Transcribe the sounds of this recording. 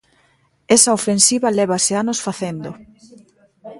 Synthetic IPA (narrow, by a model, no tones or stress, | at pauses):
esɐofensiβɐleβɐseanosfaθend̪o